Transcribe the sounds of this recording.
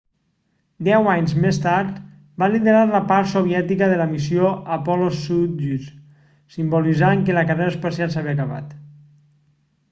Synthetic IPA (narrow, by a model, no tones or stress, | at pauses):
d̪ɛwaɲzmest̪aɾt̪ | baliðeɾaɾləpaɾt̪soβ̞jɛt̪ikəðələmisjoəpɔlosut̪ʒys | simbolizaŋkeləkareɾaəspasjalˠsaβiakəβa̰t̪